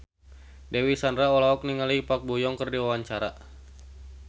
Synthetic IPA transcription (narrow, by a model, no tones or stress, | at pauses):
dɛwisandraɔlaɔk̚niŋalipak̚bujɔŋkərdiwawaɲt͡ʃaɾa